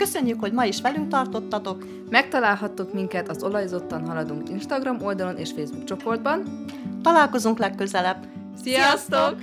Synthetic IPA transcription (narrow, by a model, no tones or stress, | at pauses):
kø̞sø̞ɲːykhoɟmɒiʃʋɛlyŋk̚t̪ɒrt̪o̞t̪ːɒt̪o̞k | mɛk̚t̪ɒlaːlɦɒt̪ːukmiŋkɛt̪ɒzo̞lɒjzo̞t̪ːɒnɦɒlɒd̪uŋkinʃt̪ɒɡrɒmold̪ɒlo̞nʔḛːʃfeːzbukt͡ʃo̞po̞rd̪̚bɒn | t̪ɒlaːlko̞zuŋklɛkːøzɛlɛb | sijɒst̪ok